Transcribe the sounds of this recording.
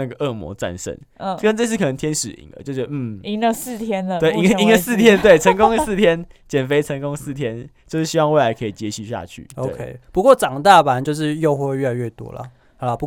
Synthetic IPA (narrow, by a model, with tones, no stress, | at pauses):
na˥˩ɡə˩ʔə˥˩mwɔ̰˧˥t͡sa̰˥˧˨nʂə̰˥˩n˥˩˥ | ə˥˦nt͡sɤ˥˧s̬̩˥˩kʰɤ˨˩nə˧ŋt̪ʰjɛ˦nʂɻ̩˨˩ḭ˨˦ŋlə̰˨˦jo˥˩ʊt͡ɕɥɛ˧d̪m̩˥˩i˥ŋə˧s̩˥˩t̪ʰjɛ˥n˨t̪we˥˩ɪi˥ŋ˥i˥ŋə˧sɹ̩˥˨t̪ʰjɛ˦nt̪we˥˩ɪt͡sʰə˧˥ŋkʊ˥ŋ˥˧sɹ̩˥˩t̪ʰjɛ˦nt͡ɕjɛ˨˩nfe˥ɪʈ͡ʂʰə˧˥ŋkʊ˦˥ŋsɹ̩˥˩t̪ʰjɛ˦nt͡ɕjo˥˧ʊʂɻ̩˥˩ɕi˦wɑ˥˧ŋwe˥˩ɪla˧ɪkʰɤ˧i˨˩t͡ɕjɛ˧˥ɕi˨˩ɕja̰˥˧t͡ɕʰy̰˥˩o˧we˥˩kʰe˦ɪpu˧˦kwɔ˥˩ʈ͡ʂɑ˨˩ŋt̪a˥˩pa˨˦nt͡ɕjo˥˧ʊʂ̬ɻ̩˥˧jo˥˧ʊxwe˥˧wɥɛ˥˩la˧ɪɥɛ˥˩t̪wɔ̰˦lɐ̰˨ | ha˧˦la˨˧pu˧˦